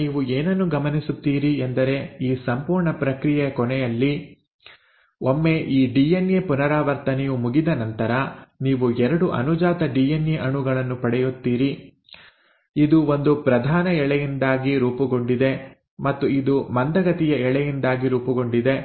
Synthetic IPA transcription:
niːʋueːnɐnːuɡɐmɐnisut̪ːiːɾiend̪ɐɾe̞iːsɐmpuːɾɳɐpɾɐkɾijɛkɔnɛjɐlːi | omːe̞ʔiːɖijenjepunɐɾaːʋɐɾt̪ɐnɛjumuɡid̪ɐnɐnt̪ɐɾɐniːʋuɛɾɐɽuʔɐ̰nud͡ʒaːt̪ɐɖiːjenjeʔɐɳuɡɐɭɐnːupɐɽɛjut̪ːiːɾi | id̪uo̞nd̪upɾɐd̪ʱaːnɐɛɭɛjind̪aːɡiɾuːpuɡo̞ɳɖid̪e̞ | mɐt̪ːuid̪umɐnd̪ɐɡɐt̪ijɐɛɭɛjind̪aːɡiɾuːpuɡo̞ɳɖid̪e̞

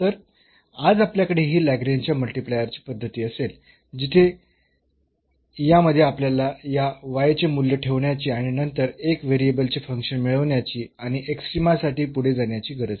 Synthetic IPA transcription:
t̪əɾ | ad͡zapljakəɽeɦiːlæɡɾaɲt͡ɕjaməlʈiplejəɾt͡ɕi̥ːpəd̪ʱːət̪iːəsel | d͡ʑit̪ʰe | jaməd̪ʱːjeapljalajaʋajt͡semuljəʈʰeʋɳjat͡ɕiːaɽ̃inənt̪əɾekʋeɾiebəlt͡ɕefəŋkʂənmiɭəʋɳjat͡ɕiːaɽ̃iʔeksʈɾimasaʈiːpuɽ̤ed͡zaɳjat͡ɕiːɡʱəɾəd͡z

